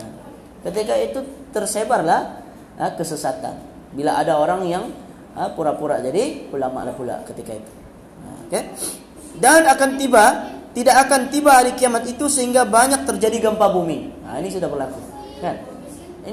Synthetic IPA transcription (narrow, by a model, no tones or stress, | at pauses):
kət̪ikait̪ut̪ərsebarlah | ʔəkəsəsat̪a̰n | bilaʔadaoɾaŋjaŋ | əpuɾapuɾa̰ʔd͡ʒadikulama̰ʔla̰hpula̰kət̪ikait̪u̥ | oke | danakant̪ibat̪idakːkant̪ibaɦːɾikiamat̪it̪usəɦiŋɡabaɲak̚t̪ərd͡ʒadiɡəmpabumia̰inisudabərlaku | kan